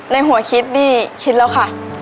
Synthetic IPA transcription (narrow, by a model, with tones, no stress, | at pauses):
na˧˥jɦu˨˩˦ɐkʰi˦˥t̪̚niː˥˩kʰi˦˥t̪̚lɛ˦˥wkʰa˧˥ʔ